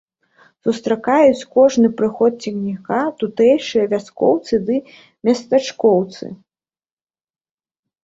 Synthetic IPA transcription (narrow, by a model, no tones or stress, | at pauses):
sust̪ɾakajut͡sʲkɔʐnɨpɾɨxɔt̪̚t͡sʲiɣnʲikat̪ut̪ɛjʂɨjɐvʲaskɔ̰wt̪sɨd̪ɨ | mʲɐst̪at͡ʂkɔwt̪sɨ̰